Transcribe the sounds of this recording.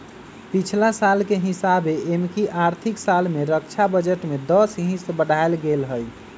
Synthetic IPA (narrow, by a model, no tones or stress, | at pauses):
pit͡ʃʰlasalkeɦisabeʔemkiʔaɾt̪ʰiksalmeɾəkt͡ʃʰabəd͡ʒəʈmed̪əsɦĩsbəɽʱaelɡelɦəj